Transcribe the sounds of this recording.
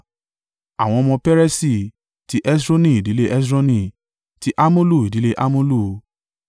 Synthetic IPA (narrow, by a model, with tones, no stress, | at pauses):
a˨w̃ɔ̃˧ɔ˧mɔ̃˧pɛ˦ɾɛ˦si˦˨ | ti˦ʔɛ˦sɾõ˦nĩ˦˨i˨di˨˦le˦ʔɛ˦s̬ɾɔ̃˦nĩ˦˧˨ | ti˦ʔa˦mõ˦lu˦˨i˨di˨˦le˦ʔa˦mõ˦lu˦˨˧